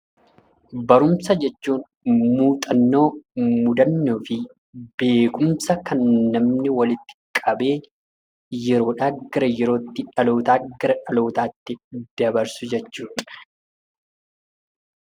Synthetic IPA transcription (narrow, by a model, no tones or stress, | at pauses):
bɐɾʊmsɐd͡ʒɛt͡ʃːuːn | muːt̪ʼɐnːo̞ːmʊd̪ɐnːoːfɪ | be̞ːkʊmsɐkɐnːɐmnɪwɐlɪt̪ːɪ̥kʼɐbe̞ː | jɛɾo̞ːᶑaːɡɪɾɐjɛɾo̞ːt̪ːɪᶑɐlo̞ːt̪aːɡɪɾɐᶑɐlo̞ːt̪aːt̪ːɪd̪ɐbɐɾsʊd͡ʒɛt͡ʃːuːᶑɐ̥